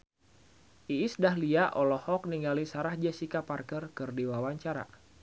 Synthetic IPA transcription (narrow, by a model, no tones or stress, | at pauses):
ʔiːsdahliaʔɔlɔhɔk̚niŋɡalisaɾahd͡ʒɛsikaparkərkɨrdiwawaɲt͡ʃaɾa̰